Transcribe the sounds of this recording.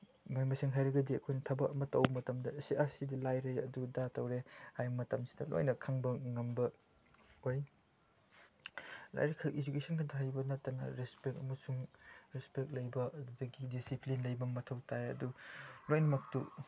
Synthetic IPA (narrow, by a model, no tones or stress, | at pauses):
mamɐseŋɦajɾɐɡɐdiɐkʰojnɐtʰɐbɐk̚ɐmɐtːɐwmɐtɐmdɐsiʔasidilajɾeɐdudatɐwɾehajmɐtɐmsi̥dɐlo̰jnɐkʰaŋbɐŋɐmbɐ | oj | la̰jɾekʰɐʔizukesɐnkʰandɐɦajbɐnɐttːɐnɐ̰ɾespek̚ɐmɐsuŋɾespek̚lɐjbɐɐdudɐɡidisiplinlɐjbɐmɐtʰɐwtʰajɐ̰dulojnɐmɐk̚tu